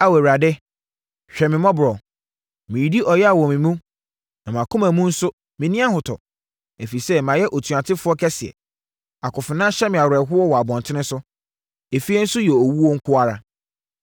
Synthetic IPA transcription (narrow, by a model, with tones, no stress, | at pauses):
a˦wɛ˨ɾa˨dɪ˦ | ɕᶣɛ˨mɪ̃˨mɔ̃˦bʊ˨ɾɔ˨ | mɪ̃˨ji˨di˦ʔɔ˨jɛ˦a˨wɔ˨mɪ̃˨mũ˦ | nã˨mã˨kʰʊ̃˦mã˨mũ˦n̩˦sʊ˦ | mɪ̃˨nĩ˦a˦hʊ˨tʰɔ̰˨ | æ˨fi˨sɛ˦mã˨jɛ˦ʔo˨tʰu˨a˨tʰɪ˦fʊ˦ɔ˦kʰɛ˦sɪ˨ɛ̰˨ | a˨kʰʊ˨fɪ˨nã˦ɕɛ˦mɪ̃˨a˨wɾɛ˨ɦʊ˦ɔ˦wɔ˨a˨bɔ̃˨ntʰɪ̃˦nɪ̃˦sʊ˦ | e˨fi˦ɛ˦n̩˦sʊ˦jɛ˨ɔ˨wu˦wɔ˦ŋ̩˦kʰʊ˦a˨ɾa̰˨